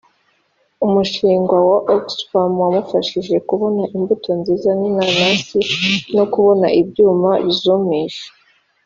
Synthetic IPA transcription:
umuʃiːŋɡwawaʔoksfamwamufaʃiʒe̞kuβo̞naʔimbuto̞nziːzaninanasino̞kuβo̞naʔibɟuːmaβizumiʒe̥

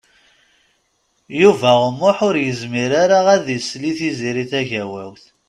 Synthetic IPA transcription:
juvæʁəmːʊħʊɾjəzmiɾaɾaʁæðisliθiziɾiθæʝæwæ̰wθ

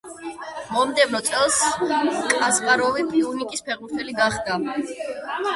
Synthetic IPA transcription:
mɔmd̪ɛvɾɔt̪sʼɛlˠskʼazʁaɾɔvipʼiunikʼispʰɛʁuɾt̪ʰɛliɡaχd̪a

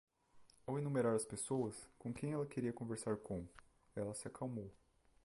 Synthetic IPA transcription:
awenũmeɾaɾɐspesowɐskõkẽj̃ɛlɐkeɾiɐkõveɾsaɾkõw̃ | ɛlɐsɪakʰawmow

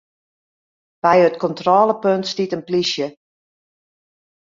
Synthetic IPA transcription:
b̥ɛjətkɔntrɔːləpøntstitənplisjə

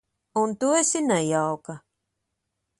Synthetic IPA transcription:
unt̪uesinajawka

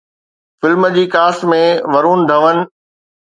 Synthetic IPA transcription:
fɪlməd͡ʑiːkaːsmẽʋɐɾuːnd̪ʱɐʋənɪ̆

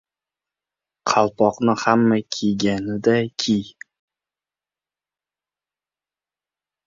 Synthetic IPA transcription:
qʰɑlˠpʰɒqnɪhamːakʲʰejɡʲanɪd̪akʲʰij

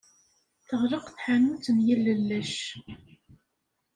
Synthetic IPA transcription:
θəʁɾəqθħanut͡sːənjəlːəlːæʃ

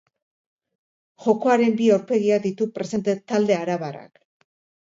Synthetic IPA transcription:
ʝo̞ko̞aɾe̞mbiawɾpe̞ɣiaðit̪upɾe̞se̞nt̪et̪ald̪e̞aɾaβara̰k

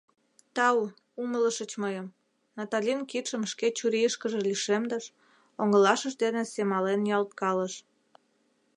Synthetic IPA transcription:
t̪ɑu | umələʃət͡ɕməjəm | nɑt̪ɑlʲinkit̪ʃəmʃket͡ɕuɾiəʃkəʒeliʃemd̪əʃ | oŋəlɑʃəʒd̪enesemɑlenjɑlt̪̚kɑləʃ

